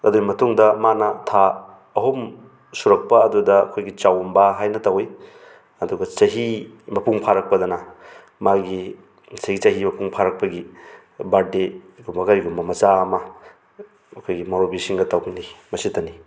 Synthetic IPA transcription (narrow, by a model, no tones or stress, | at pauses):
ɐdumɐtuŋdɐmanɐtʰa | ɐɦom | suɾɐk̚pɐɐdudɐ̰ːkʰojɡit͡ʃawmbaɦajnɐtawj | ɐduɡɐt͡ʃɐɦimɐpuŋpʰaɾɐk̚pɐdɐnɐ | maɡi | sajɡit͡ʃɐɦimɐpuŋpʰaɾɐk̚pɐɡi | badeɡumbɐkaɾiɡumbɐmɐt͡ʃaɐmɐ | ɐkʰojɡimoɾobisiŋɡɐtawbinimɐsitɐni